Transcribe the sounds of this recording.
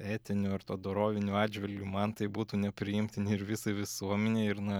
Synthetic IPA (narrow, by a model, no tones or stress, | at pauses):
æːt̪ʲɪnʲʊɐɾt̪oːd̪oːɾoːʋʲɪnʲuɑːd͡ʒʲʋʲɪlʲɡʲumɐnt̪ɐɪbuːt̪uːnʲɛpʲɾʲɪjɪmʲt̪ʲɪnʲɪɪɾʋʲɪsɐɪʋʲɪsuɔmʲɛnʲeːɪɾnɐ